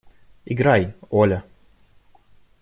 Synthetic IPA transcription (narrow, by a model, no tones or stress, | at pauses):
iɡɾajɔlʲɐ